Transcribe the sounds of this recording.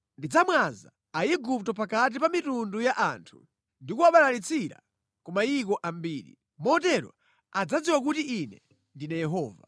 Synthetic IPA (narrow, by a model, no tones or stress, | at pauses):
ndid͡zamwaza | aiɡuptɔpakat̬ipamitundujaʔantʰu̥ | ndikuaɓalalit͡sʰiɾa̰ | kumaikɔʔambiːɾḭ | mɔtɛɾwa̰ | ad͡zad͡ziwakutiʔinɛ | ndinajɛɦɔːva̰